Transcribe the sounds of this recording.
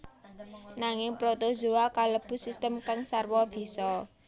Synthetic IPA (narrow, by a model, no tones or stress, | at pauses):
naŋɪŋpɾot̪od̥ʒo̤akaləb̥ṳsist̪əmkaŋsarwɔb̥i̤sɔ